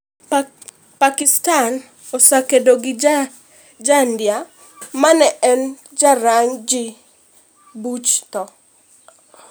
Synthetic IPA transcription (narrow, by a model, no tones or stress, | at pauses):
pakɪstan | osakedoɡɪd͡ʒ | d͡ʒandja | manɛʔɛn | d͡ʒaɾaɲd͡ʒɪ | but͡ʃt̪ɔ